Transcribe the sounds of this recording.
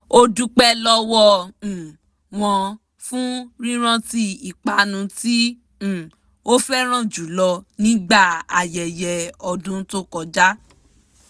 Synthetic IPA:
o˧du˧k͡pɛ˦lɔ˦wɔ̃˦˨ | w̃ɔ̃˧ | fũ˦ɾĩ˦ɾ̃ã˦ti˦i˨k͡pa˨˦nũ˧tĩ˦˨ | o˦fɛ˦ɾ̃ã˦˨d͡ʒu˨˦lɔ˧nĩ˦ɡ͡ba˦˨a˨jɛ˨jɛ˨ɔ˧dũ˦to˦kɔ˧d͡ʒa˦

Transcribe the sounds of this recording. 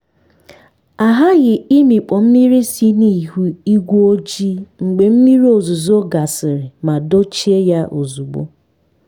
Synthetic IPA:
a˨ɦa˦ɣɪ˨i˦mi˨k͡pɔ˨m̩˦mi˦ɾi˦si˦ni˦˨ɦu˦i˦ɡʷu˦o˦d͡ʒi˦ŋ͡m̩˨ɡ͡be˨m̩˦mi˦ɾi˦o˨zu˨zo˦ɡa˨sɪ˨ɾɪ˨ma˨do˦t͡ʃi˦e˦ja˦ʔo˨zu˨ɡ͡bo̰˦

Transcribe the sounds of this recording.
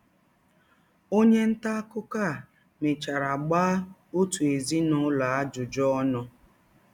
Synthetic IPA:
o˦ɲe˦n̩˦ta˦kʊ˦ka˦˨ | me˨t͡ʃa˨ɾa˨ɡ͡baː˦o˦tu˨e˨zi˦nʊ˦la˨a˦d͡ʒʊ˨d͡ʒɔ˦nɔ˦

